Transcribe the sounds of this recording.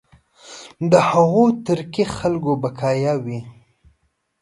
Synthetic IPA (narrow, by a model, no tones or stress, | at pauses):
d̪əhaɣot̪əɾkixalɡobakʰɑjawi